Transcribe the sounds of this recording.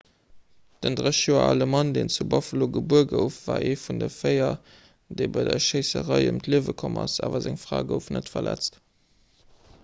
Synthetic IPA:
d̥əndʁəʃjoːɐ̰ɑləmɑndeːnt͡subɑfəloɡəbuəɡəʊfvaːʔeːfundəfɜɪɐ | deɪbɑɪdɐʃeɪsəʁɑɪəmtʰliəvəkʰɔmɑsaːvɐzæŋfʁaːɡəʊfnətfɐlæt͡st

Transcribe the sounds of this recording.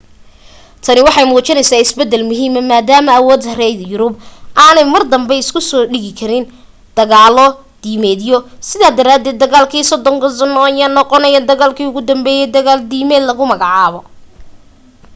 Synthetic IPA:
t̪ʰɐnɪwɑħɑjmuːt͡ʃɪnɛjsaːɪsbɛd̪ːɛlmʊɦiːmɐnmaːd̪aːmɐɐwɔːd̪rɛjjʊɾʊbʔaːnɛjmɐrd̪ɐmbɛjɪskʰʊsɔːɖɪɣɪkʰɐɾɪn | d̪̥ɐɣaːlɔ | d̪̥iːmɛːd̪jɔsɪðaːd̪ɐɾaːd̪ɛːd̪̚ːɐɣaːlkʰiːsɔd̪ɔŋɡɐsɔnɔɐjaːnɔqɔnɛjɐd̪ɐɣaːlkʰiːʊɣʊd̪ɐmbɛːjɛjd̪ɐɣaːld̪iːmɛːd̪lɐɣʊmɐɣɑʕɑːβɔ

